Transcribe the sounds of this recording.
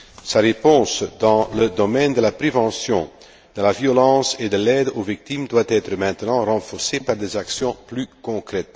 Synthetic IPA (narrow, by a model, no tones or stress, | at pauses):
saʁepɔ̃sd̪ɑ̃ləd̪ɔmɛnd̪əlapʁevɑ̃sjɔ̃ | d̪̥əlavjɔlɑ̃ːsed̪əlɛd̪ovik̚t̪imd̪wat̪ɛt̪ɾəmɛ̃t̪ənɑ̃ʁɑ̃fɔʁsepaʁd̪ezaksjɔ̃plykɔ̃kɾɛt̪